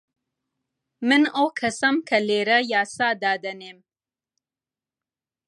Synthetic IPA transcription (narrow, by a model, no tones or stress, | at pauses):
mɨnɐwkʰɐsɐmkʰɐleːɾɐjaːsaːd̪aːd̪ɐneːm